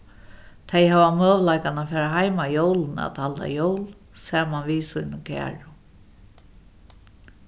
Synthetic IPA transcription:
t̪ʰejhaʋamøːʋlajkanafɛːɹaɦajmajowlna̰t̪ʰalt̪a̰jowl | sɛːmanʋiːsujnɪkʰæ̰ːɹʊ

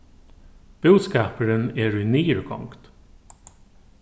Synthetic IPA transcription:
b̥ʉːd̪skɑːpəɾəneːɹʉniːɹkʰɔ̰ŋkt̪

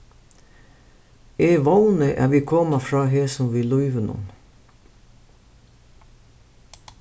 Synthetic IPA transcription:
eːʋawnəʔæ̰ːʋiːkʰɔːmafɾɑːɦeːsɔmʋiːlʊʏʋənʊ̰n

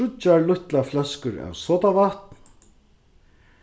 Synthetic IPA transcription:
ʊt͡ɕːaɹlʊht̪laflɛskʏɾɛ̰wsɔːt̪avaht̪nn̥

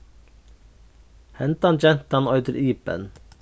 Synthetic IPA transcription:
hɛnt̪ɑnd͡ʒɛnt̪ɑnɔʏd̪əɾʔiːpə̰n

